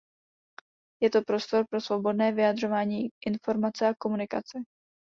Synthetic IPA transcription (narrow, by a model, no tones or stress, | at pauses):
jɛt̪o̞pɾo̞st̪o̞ɾpɾo̞svo̞bo̞dnɛːvɪjad̪r̝o̞vaːɲiːʔɪnfo̞ɾmat͡sɛako̞munɪkat͡sɛ